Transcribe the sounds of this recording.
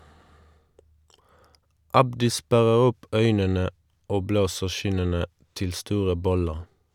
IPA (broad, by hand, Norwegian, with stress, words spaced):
ˈɑbdɪ ˈspæʁəʁ ˈʊp ˈœʏnənə ˈoː ˈbloːsəʁ ˈʃɪnənə ˈtɪl ˈstuːʁə ˈbɔləʁ